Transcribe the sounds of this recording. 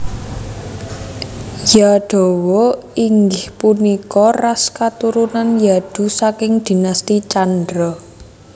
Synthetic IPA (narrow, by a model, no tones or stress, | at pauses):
jaɖ̥o̤wɔiŋɡɪhpunikɔraskat̪uɾunanjad̪̥ṳsakɪŋd̪̥i̤nast̪it͡ʃandɾɔ